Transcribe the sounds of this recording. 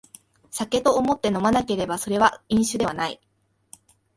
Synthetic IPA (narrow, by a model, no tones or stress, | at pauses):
ɕake̞t̪o̞ːmo̞t̪ːe̞no̞manake̞ɾe̞baso̞ɾe̞βaĩɰ̃ɕɨd̪e̞βanai